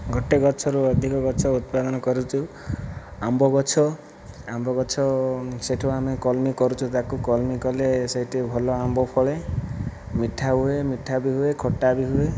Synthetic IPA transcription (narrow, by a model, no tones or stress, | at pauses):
ɡɔʈeɡɔt͡ʃʰɔɾuɔd̪ʱikɔɡɔt͡ʃʰɔut̪̚pad̪ɔnɔkɔɾut͡ʃʰu | ambɔɡɔt͡ʃʰɔ | ambɔɡɔt͡ʃʰɔseʈʰuamekɔlmikɔɾut͡ʃʰut̪akukɔlmikɔlesɔɦiʈebʱɔlɔambɔpʰɔɭe | miʈʰaɦuemiʈʰabiɦuekʰɔʈːabiɦue